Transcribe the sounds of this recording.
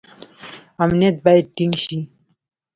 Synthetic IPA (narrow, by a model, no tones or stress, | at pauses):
ɐmnet̪̚bajʈiŋɡɕi